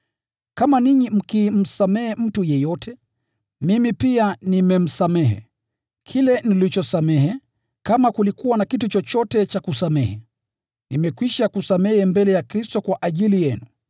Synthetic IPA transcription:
kamaniɲim̩kim̩samɛhɛm̩tujɛjɔtʰɛ | mimipianimɛm̩samɛɦɛ̰ | kʰilɛnilit͡ʃɔsamɛɦɛ | kamakulikuwanakitut͡ʃɔt͡ʃɔtɛt͡ʃakusamɛhɛ | nimɛkwiʃakusamɛhɛmbɛlɛjakɾistɔkwaʔaʄilijɛnu

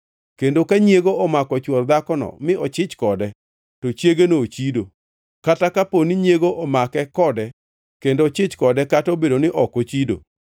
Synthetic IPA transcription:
kendokaɲjeɡoɔmakɔt͡ʃwɔrd̪akɔnɔ̰mɪɔt͡ʃɪt͡ʃkɔdɛ | tot͡ʃjeɡenoːt͡ʃido̰ | katakaponiɲjeɡoʔɔmakɛkɔdɛ | kendot͡ʃɪt͡ʃkɔdɛkatobedonɪʔɔkot͡ʃido̰

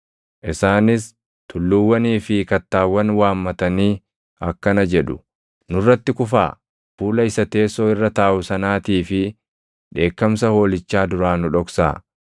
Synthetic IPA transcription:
ʔɪsaːnɪs | t̪ʊlːʊwːɐniːfɪkɐt̪ːaːwːɐnwaːmːɐt̪ɐniː | ɐkːɐnɐd͡ʒɛᶑʊ̥ | nʊrːɐt̪ːɪkʊfa̰ː | fuːlɐɪsɐt̪e̞ːsːo̞ːɪrːɐt̪aːʔʊsɐnaːt̪iːfɪ | ᶑe̞ːkːɐmsɐho̞ːlɪt͡ʃːaːd̪ʊɾaːnʊᶑɔksa̰ː

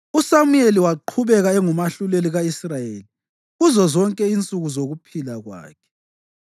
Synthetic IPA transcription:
usamueliwaǃʰuβɛɣaɛŋumaɬuleliɣaisrajeːli | ɣuzɔzɔŋkʼɛint͡sʼuɣuzoɣupʰilaɣwa̰ːkʰɛ̥

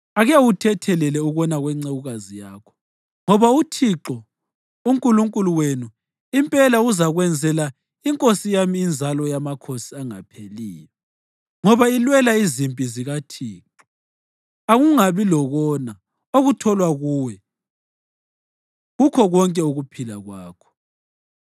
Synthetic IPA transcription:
aɣɛutʰɛtʰɛlɛlɛuɣɔnaɣwɛŋ͡ǀeɣuɣazijaːkʰɔ̥ | ŋɔβautʰiǁɔ | uŋkʼuluŋkʼuluwenu | impʼɛlauzaɣwɛnd͡zʱɛla | iŋkʼosijamiːnd͡zʱalɔjamakʰosiaŋa̰pʰelḭːjɔ | ŋɔβailwɛlaizimpʼiziɣatʰiːǁɔ | aɣuŋaβilɔɣɔna | oɣutʰɔlwaɣuwɛ | ɣukʰɔɣɔŋkʼɛuɣupʰilaɣwaːkʰɔ̥

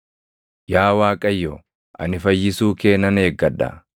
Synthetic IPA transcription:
jaːwaːkʼɐjːɔ | ʔɐ̰nɪfɐjːɪsuːke̞ːnɐne̞ːɡːɐᶑɐ̰

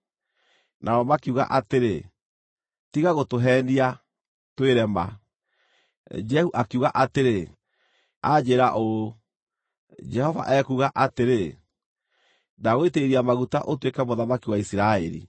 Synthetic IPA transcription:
nʔaɾɔmakiuɣa̰ʔateɾe | tiɣaɣotoɦɛnia | tweɾɛma̰ | d͡ʒɛhuʔakiuɣaʔateɾe | ad͡ʒeɾaʔo | d͡ʒɛhɔva̰ʔɛkuːɣaʔateɾe | naɣoiteiɾiamaɣuta̰ʔotwekɛmoðamakiwaisiɾaɛ̰ɾḭ

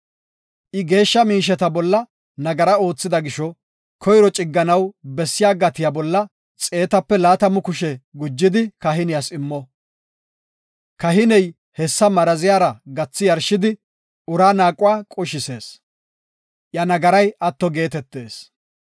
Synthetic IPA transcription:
ʔɪɡe̞ːʃːɐmiːʃ̬ɛt̪ɐbɔlːɐ | nɐɡɐɾɐo̞ːt͡sːɪd̪ɐɡɪʃɔ | kʰɔjɾɔt͡ʃʼɪɡːɐnɐwbɛsːɪjaːɡɐt̪ɪjabɔlːɐ | t͡sʼe̞ːt̪ɐpːɛlaːt̪ɐmʊkʊʃɛɡʊd͡ʒːɪd̪ɪkɐɦɪnɪjasɪmːɔ | kɐɦɪnɛj | hɛsːɐmɐɾɐzɪjaːɾɐɡɐt͡sːɪjɐɾʃɪd̪ɪ | ʊɾaːnaːkʼʊwaːkʼʊʃɪse̞ːs | ʔjɐnɐɡɐɾɐjɐt̪ːɔɡe̞ːt̪ɛt̪ːe̞ːs

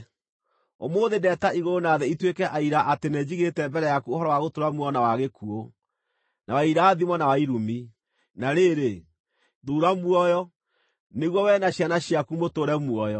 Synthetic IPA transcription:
o̰moːðedɛtaiɣoɾonaðɛitwekɛʔaiɾaʔatenɛd͡ʑiɣetɛmbɛɾɛjakuohɔɾɔwaɣotoɾamwɔnawaɣekuo | nawaiɾaːðimɔnawaiɾumi | naɾeɾe | ðuːɾamwɔjɔ | neɣwɔwɛnaɕjanaɕjakumotoɾɛmwɔjɔ

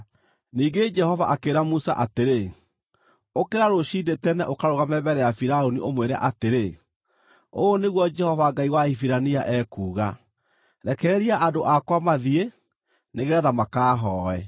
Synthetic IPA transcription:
niːɡed͡ʒɛhɔvaʔakeɾamusa̰ʔateɾe | okeɾaɾoɕiːdetɛnɛʔokaɾoɣamɛbɛɾɛjafiɾaoniʔomweɾɛ̰ʔateɾe | oːneɣwɔd͡ʒɛhɔvaɡaiwaifiɾaniaʔɛkuːɣa | ɾɛkɛɾiaʔadoʔakwamaðie | neɣɛːðamakaːɦɔːɛ

